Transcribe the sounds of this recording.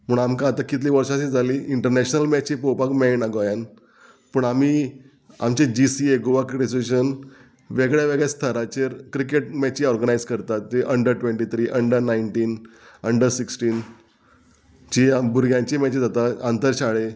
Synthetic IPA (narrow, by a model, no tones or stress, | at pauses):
m̤əɳamkãːt̪akit̪liʋəɾʂaɕid͡zʱaliːiɳʈəɾnɛɕnəlmɛt͡ɕipowpakmɛnaɡoajan | pəɳamiː | a̰mt͡ɕed͡ʑisieɡoʋakɾeseɕən | ʋeɡɭjaʋeɡɭjast̪ʰəɾat͡ɕeɾkɾikeʈmɛt͡ɕiɔɾɡənajd͡zkəɾt̪at̪ːeʔəɳɖəɾʈʋẽɳʈit̪ʰɾiːʔəɳɖəɾnaiɳʈiːnəɳɖəɾsiksʈiːn | t͡ɕiabuɾɡjãɲt͡ɕimɛt͡ɕid͡zat̪aant̪əɾɕaɭe